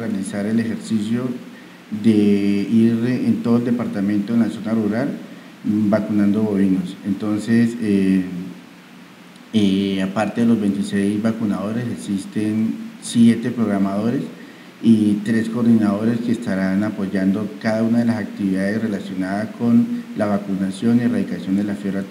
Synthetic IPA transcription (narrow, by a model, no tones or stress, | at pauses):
realisaɾe̞le̞xe̞ɾsisjo̞ | ðe̞iɾent̪o̞ðoeld̪epaɾt̪amẽ̞nt̪oenlaso̞naruɾal | bakunãnd̪o̞βo̞βino̞se̞nt̪o̞nse̞se | eapaɾt̪e̞ðelo̞zbe̞jnt̪ise̞jzbakunaðo̞ɾe̞se̞ksist̪e̞nsje̞t̪e̞pɾo̞ɣɾamaðo̞ɾe̞s | it̪ɾe̞sko̞ːɾd̪inaðo̞ɾe̞ske̞ːst̪aɾanapo̞ʝand̪o̞kaðaunaðe̞lasak̚t̪iβiðaðe̞sre̞lasjo̞naðasko̞nlaβakunasjo̞nieraðikasjo̞nd̪e̞lafjeɾat̪